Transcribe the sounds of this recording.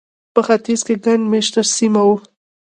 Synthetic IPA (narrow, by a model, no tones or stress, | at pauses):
pəxat̪izkeɡaɳɖmeʃt̪asimawu